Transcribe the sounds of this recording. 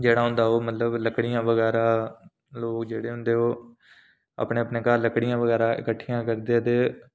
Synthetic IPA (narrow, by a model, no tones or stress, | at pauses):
d͡ʒeːɽaːɦʊ̃nd̪aːoːmət̪ləbləkɽijãːʋəɡɛːɾaː | loːkd͡ʒeːɽeːɦʊnd̪eːɦoː | a̰ːpɳeːəpɳneːkaɾləkɽijãːʋəɡɛːɾaːʔɪ̰kəʈʰːɪjãːkəɾd̪et̪eː